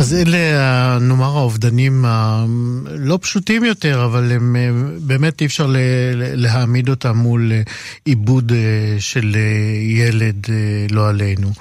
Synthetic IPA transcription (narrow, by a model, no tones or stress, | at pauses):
azeleano̞maʁhaovdanima | lo̞pʃutimjo̞te̞ʁavalembe̞ːme̞tifʃaʁleleɦamid̪o̞tamːul | ibudʃe̞lejeledlo̞ale̞jnu